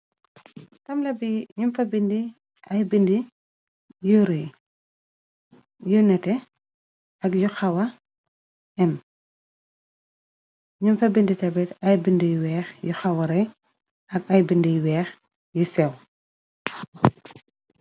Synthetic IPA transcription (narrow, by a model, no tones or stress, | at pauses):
tɐmlɐbiɲumfɐbindi | ɐjbindi | juɾɛ | junɛtɛ | ɐkjuxɐwɐ | ʔɛm | ɲumfɐbinditɐbɛtɐjbindijwɛːxjuxɐwɐɾɛj | ɐkɐjbindijwɛːx | jusɛw